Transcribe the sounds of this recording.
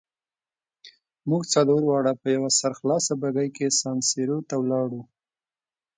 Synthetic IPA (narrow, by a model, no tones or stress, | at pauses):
muɡt͡sad̪oɾwɑɽapəjawasaɾxlɑsabaɡajkesɑnseɾot̪awlɑɽu